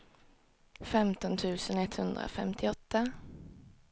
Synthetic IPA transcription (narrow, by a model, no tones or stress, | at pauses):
fɛmt̪ɔnt̪ʰʉ̟ːsənɛt̪hɵnd̪ɾa̰fɛ̰mt̪ʰɪɔt̪ːa